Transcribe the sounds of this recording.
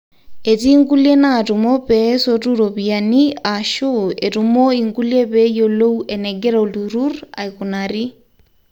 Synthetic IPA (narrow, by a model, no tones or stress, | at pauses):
etiŋɡuljenatumopɛsotuɾopianiaʃuetumoiŋɡuljepɛjolouʔɛnɛɡɛɾaoluɾura̰ikunaɾi